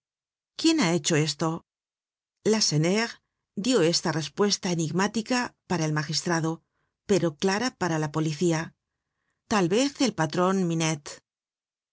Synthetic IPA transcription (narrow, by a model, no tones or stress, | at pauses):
kje̞nae̞t͡ʃo̞e̞st̪o̞ | laseneʁ | d̪jo̞e̞st̪are̞spwe̞st̪aeniɣmat̪ikapaɾaelmaxist̪ɾaðo̞ | pe̞ɾo̞klaɾapaɾalapo̞liθia | t̪alβe̞θe̞lpat̪ɾo̞nminet̪